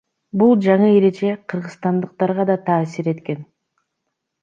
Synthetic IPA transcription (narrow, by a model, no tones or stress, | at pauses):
bulˠd͡ʒɑɴɯeɾe̞d͡ʒe̞qʰɯɾʁɯzst̪ɑnd̪əq̚t̪ɑɾʁɑd̪ɑt̪ʰɑːsiɾe̞t̪ke̞n